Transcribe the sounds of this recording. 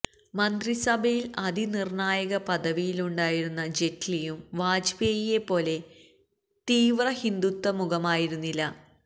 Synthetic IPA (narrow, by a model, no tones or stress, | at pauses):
mɐnd̪risɐbʱɐjilɐd̪ʱinirɳaːjɐɣɐpɐd̪ɐʋijiluɳɖaːjiɾunːɐd͡ʑe̞tlijumʋaːd͡ʑbeːjijepːo̞ːle̞ | t̪iːʋrɐhind̪ut̪ːɐmuɣɐmaːjiɾunːilːɐ